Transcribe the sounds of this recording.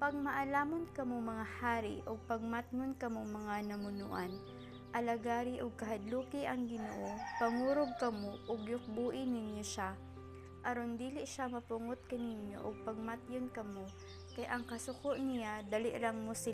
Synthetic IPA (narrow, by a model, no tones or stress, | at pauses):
pɐɡ̚mɐʔɐlaːmɐnkɐmomɐŋahaːɾḭʔoɡ̚pɐɡ̚mat̪nʊnkɐmomɐŋanɐmʊnṵːʔɐn | ʔɐlɐɡaːɾiʔoɡ̚kɐɦɐd̪luːkɪʔɐŋɡɪnoʔopɐŋuːɾoɡ̚kɐmoʔoɡjʊk̚buːʔɪnɪnjoʃa | ʔɐɾond̪iːlɪʔʃamɐpʊŋot̪̚kɐnɪnjo̰ʔoɡ̚pɐɡ̚mat̪jonkɐmo | kɐjʔɐŋkɐsʊkoʔnɪjad̪ɐlɪ̰ʔɾɐŋmosɪ